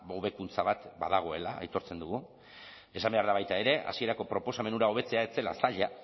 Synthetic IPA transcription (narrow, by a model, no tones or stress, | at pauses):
o̞βe̞kunt͡saβat̪baðaɣ̞o̞e̞la̰a̰jt̪o̞ɾt͡se̞nd̪uɣu | e̞sambeaɾðaβajt̪ae̞ɾe̞ʔa̰sie̞ɾako̞pɾo̞po̞same̞nuɾao̞β̞e̞t͡se̞ae̞t͡se̞la̰saʎa